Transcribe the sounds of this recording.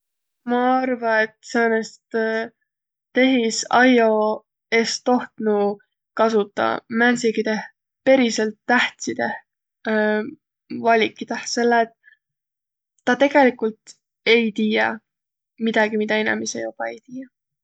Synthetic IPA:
mɑɑrvɑet̪seːnest̪ | t̪e̞ɦisɑjo̞ | e̞st̪o̞ht̪nu | kɑsut̪ːˑɑ̰mænsiɡ̥it̪e̞h | pe̞ɾiselt̪ːæht̪sid̪̥e̞h | vɑlʲikːid̪̥ɑse̞lːet̪ | ɑt̪e̞ɡ̥e̞likult̪ | e̞jt̪iːjɑ | mid̪̥ɑɡ̥imid̪̥ɑenɑ̰misejob̥ɑejt̪iːjɑ

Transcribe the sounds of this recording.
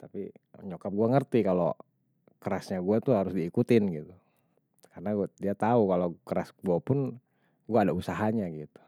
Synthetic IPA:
t̪apḭɲokap̚ɡuaŋərt̪ikalo̰ | kəɾasɲaɡuat̪uɦaɾʊsdiːkut̪ɪnɡit̪u | kanaɡdiat̪aukalokəɾasɡuapʊn | ɡuaːdausaɦaɲaɡit̪u̥

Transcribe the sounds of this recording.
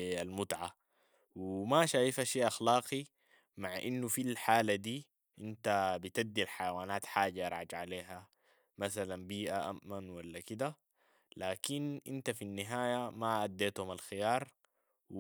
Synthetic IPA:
almut̪ʕa | wimaʃaːjifaʃiːʔaxlɑːqi | maʕʔinːufilħaːlad̪iː | ʔint̪abit̪ad̪ːilħajawaːnaːt̪ħaːɟajɾˤʕa̰d͡ʒʕaleːɦa | masalanbiːʔaʔa̰mːanwalːakid̪a | laːkinʔḭnt̪afinːiɦaːjamaʔad̪ːeːt̪humalxijɑːɾˤ

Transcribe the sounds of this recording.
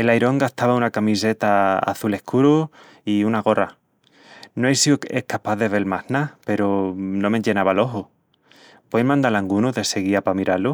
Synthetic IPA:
e̞lajɾo̞ŋɡaht̪aβaunakamise̞t̪aa̰θule̞hkuɾu | iunaɣ̞o̞ra̰ | noejsioehkapaððe̞βe̞lmahnape̞ɾono̞meʎe̞naβalo̞ɦo | pwejmãnd̪alaŋɡunuðe̞se̞ɣ̞iapamiɾalu

